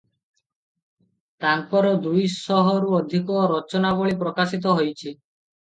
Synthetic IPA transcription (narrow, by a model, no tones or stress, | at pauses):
t̪aŋpɔɾɔd̪ujsɔɦɔɾuɔd̪ʱikɔɾɔt͡ʃɔnabɔɭipɾɔkasit̪ɔɦojt͡ʃʰi